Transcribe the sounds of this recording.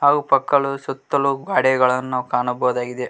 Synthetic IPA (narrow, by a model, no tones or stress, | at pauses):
ɦaːɡupɐkːɐɭusut̪ːɐluɡaːɽiɡɐɭɐnːuːɐkaːnɐbɐɦɐd̪aːɡid̪e